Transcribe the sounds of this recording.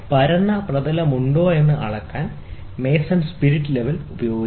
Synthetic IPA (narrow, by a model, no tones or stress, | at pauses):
pɐɾɐnːɐprɐd̪ɐlɐmuɳɖo̞ːe̞nːɨʔɐ̰ɭɐkːaːn | me̞ːsɐnspiɾiʈːɨle̞ʋɐlubɐjo̞ːɡi